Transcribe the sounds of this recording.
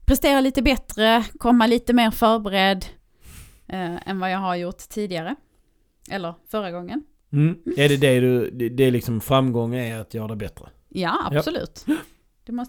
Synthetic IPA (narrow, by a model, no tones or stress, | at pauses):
pʰɾɛst̪eːɾaliːt̪əbɛt̪ɾəkʰɔmːaliːt̪əmeːɾfœɾbɛɾɛd̪ | ɛ̰nvajɑːɦaɾjʊʈt̪ʰːiːd̪ɪɡaɾə | ʔɛlːəɾfœɾaɡɔŋːən̩ː | æɖɛd̪ɛd̪ɵɛd̪ɛlɪksɔmfɾamɡɔŋːənæat̪ʰjœːɾad̪ɛbɛt̪ɾə | jaa̰psɔlʉ̟̰ːt̪ | d̪̥ɛmɔs